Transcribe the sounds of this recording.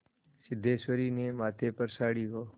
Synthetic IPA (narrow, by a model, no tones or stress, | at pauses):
sɪd̪ʱeːswəɾiːneːmaːt̪ʰeːpəɾsaːɽiːɦoː